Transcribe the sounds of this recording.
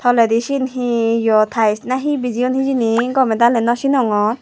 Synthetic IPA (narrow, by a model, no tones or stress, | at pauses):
t̪ʰɔledisinɦijɔt̪ʰajsnaɦibid͡ʒiunhid͡ʒiniɡɔmɛd̪alɛnɔsinɔŋɔn